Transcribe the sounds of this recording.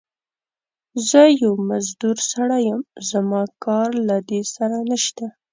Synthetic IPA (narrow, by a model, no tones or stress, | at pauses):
zəjawmazd̪uɾsaɽajəmzamɑkɑɾlad̪esaɾanaʃt̪a